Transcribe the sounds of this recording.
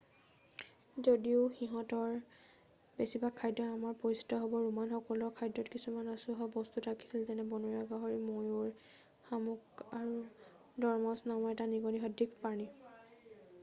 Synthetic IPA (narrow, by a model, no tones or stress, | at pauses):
zodiʊxiɦɔtɔɹ | besibakʰːajdːɔamaɹpoɹisi̥tɔɦobɔɹumanxɔkɔlɔkʰajdɔtkisumanasʊɦɔbɔstutʰaki̥silzɛnɛbɔnuɹaɡaɦɔɹimojʊɹ | xamukaɹu | dɔɹmɔsnamɔɛtaniɡɔniɦɔdikpani